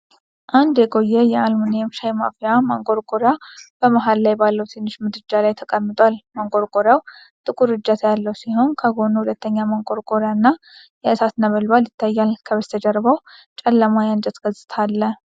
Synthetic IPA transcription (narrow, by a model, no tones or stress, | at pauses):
ʔand̪jɛɡʼo̞jːɛjɛalmunjɛmʃajma̰fijamaŋɡʼo̞ɾɡʼoɾjab̥əməɦallajbalːəwt̪ʰɨnːɨʃmɨd̪ɾɨd͡ʒalajt̪ʰəkʼəmːɨt̪ʼwalmaŋɡʼo̞ɾkʼoɾjaw | t̪ʼɨkʼuɾɨd͡ʒat̪ʰjalːəwsiho̞nkʰəɡo̞nuhulət̪ʰːəɲːamaŋɡo̞ɾɡʼoɾjanːa | jɛɨsat̪nəβəlbaljɪt̪ʰːajːalkʰəβəst̪ʰəd͡ʒəɾbəwt͡ʃʼɛlːəmajand͡ʒət̪ɡ̥əzʼɨ̥t̪ʰalːə